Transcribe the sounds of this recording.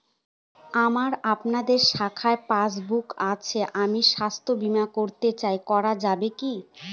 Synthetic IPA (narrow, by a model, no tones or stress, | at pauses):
amaɾapnad̪eɾʃakʰaepas̬bukat͡ɕʰeʔamiʃast̪ʰobimakoɾt̪et͡ɕajkɔɾad͡ʑabeki